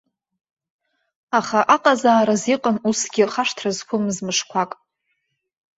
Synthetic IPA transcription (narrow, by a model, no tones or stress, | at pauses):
aχaʔaqʼazaːɾaziqʼanusɡʲɪχaʂtʰrazkʷʰʊmzmɨʂkʷʰakʼ